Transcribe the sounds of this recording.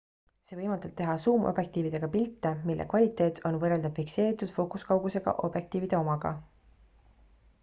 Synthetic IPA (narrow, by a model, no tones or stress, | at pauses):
se̞ːvɤjmɑlt̪ɑb̥̚t̪e̞ɦɑsuːmʔo̰bje̞k̚t̪iːvid̪̥e̞ɡ̥ɑpilt̪ːemilːʔḛkvɑlʲit̪ːˑe̞ːt̪ʰo̞nvɤreld̪ɑb̥fikse̞ːɾit̪ːˑud̪̥fo̞kuskɑwɡuse̞ɡ̥ɑ̰ʔo̞b̥je̞k̚t̪iːvid̪̥e̞o̞mɑɡ̥ɑ̰